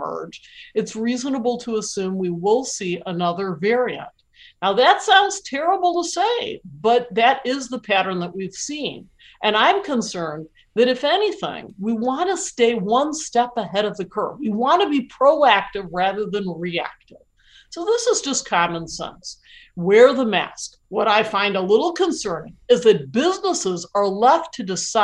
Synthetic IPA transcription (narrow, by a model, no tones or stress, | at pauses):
ɜ̰˞d͡ʒɨtsɹiznəbl̩ˠtʰəəsʉ̃mwiwɪlˠsiʔənʌðə˞vɛɹiɨ̰̃nʔ | naʊðɨtsãʊ̃ndz̥tʰɛɹəbl̩ˠtəseɪbʌt̪̚ðɨɾɪzðəpʰæɾə̃˞nðəʔ̚wiv̥sĩn | ʔɨ̃ñãɪ̃mkʰə̃nsɜ̃˞n | ðɨɾɨfɛniθɪ̰̃ŋwiwɑ̃nəsteɪwʌ̃nstɛpəhɛɾʌvðɨkʰɜ̰˞wiwɑ̃nɨbipʰɹ̥oʊæk̚tɨvɹæðə˞ðɨ̃nɹiæ̰k̚tɪv̥ | soʊðɪsəzd͡ʒʌskʰɑmə̃nsɛ̰̃ns | wə˞ðəmæ̰sk | wʌɾaɪfãɪ̃ndəlɪɾl̩ˠkʰɨ̃nsɜ̃˞ñŋɨzðɨt̚b̥ɪznəsɪzə˞lɛftʰɨdɨsa